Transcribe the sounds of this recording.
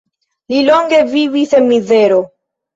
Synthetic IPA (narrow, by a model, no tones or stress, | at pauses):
lilo̞ŋɡe̞vivisenmize̞ɾo